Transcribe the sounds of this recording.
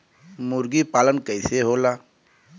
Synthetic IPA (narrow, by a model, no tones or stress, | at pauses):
mʊɾɡipaːlənkəɪseɦoːlaː